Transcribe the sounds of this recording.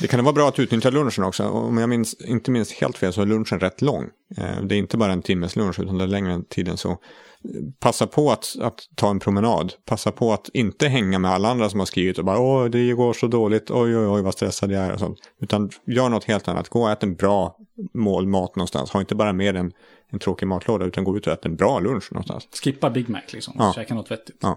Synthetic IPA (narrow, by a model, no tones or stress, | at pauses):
d̪ɛkʰanvɑːbɾɑːat̪ʉ̟t̪nʏt̪ːjalɵnʂənɔksɔ̰ɔ̰mjamɪnsɪnt̪əmɪnst̪hḛːlt̪feːlsɔæɭɵnʂənɾɛt̪ːlɔ̰ŋ̰ː | d̪ɛæɾɪnt̪əbɑːɾaɛnt̪ʰɪmːəslɵnʂʉ̟t̪and̪ɛæɾɭɛŋɾət̪ʰiːd̪ə̰nsɔ̰ | pʰasːapʰɔat̪a̰t̪ʰːɑːɛnpʰɾʊmɛnɑ̰ːd̪pʰasːapʰɔat̪ɪnt̪əɦɛŋːamɛalːaand̪ɾasɔmhaskɾiːvɪt̪ɔbɑːɾaɔjd̪ɛjɵɡoːʂɔd̪oːlɪt̪ʰɔjɔjɔjvast̪ɾɛsːad̪əjaæɾɔ̰sɔ̰nt̪ʉ̟ːt̪anjœːɳɔt̪heːlt̪anːʔa̰t̪ɡ̥oːɛːt̪əɛnbɾɑːmoːlmɑːt̪nɔnst̪a̰nshaɾɪnt̪əbɑːɾameːɾɛn | ɛnt̪ʰɾoːkɪmɑːt̪ʰloːd̪aʉ̟ːt̪anɡoːʉt̪ɔɛːt̪əɾɛnbɾɑːlɵnʂnɔ̰nst̪a̰nsskɪpːabɪɡmæ̰klɪ̰ksɔmɑɛːkanɔt̪vɛt̪ːɪ̥t̪ɑ̰ː